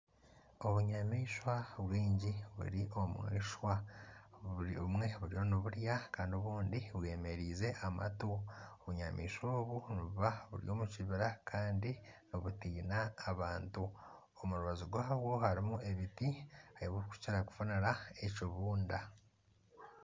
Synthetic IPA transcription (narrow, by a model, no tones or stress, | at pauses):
o̞βuɲamiːʃwaβwiːɲɟiβṵɾiʔo̞mwḭːʃwa | mŋe̞βuɾijo̞niβuɾjakaːndio̞βuːndiβwe̞ːme̞ɾiːze̞ʔama̰tuoβuɲamʔḭːʃo̞ːβuniβuβaβṵɾḭjo̞ːmuciβiɾakʰaːndinoβutiːnaːβaːntu | omuɾuβazuɡwaβwo̞haɾimue̞βitiajiβwoku̥ciɾaku̥funiɾae̞coβuːnda